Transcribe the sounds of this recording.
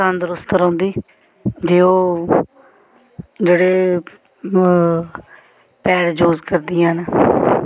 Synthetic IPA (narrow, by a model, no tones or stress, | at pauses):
and̪əɾʊst̪əɾãːnd̪iː | d͡ʒeːoː | d͡ʒeːɽeː | pɛːɽd͡ʒoːzkəɾd̪ɪjãːna